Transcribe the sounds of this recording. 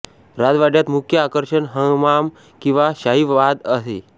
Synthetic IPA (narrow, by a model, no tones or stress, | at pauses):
ɾad͡z̪ʋaɖjat̪mukʰjəakəɾʂənɦəŋmam | kĩw̃ʋaɕaɦiʋʋad̪əɦe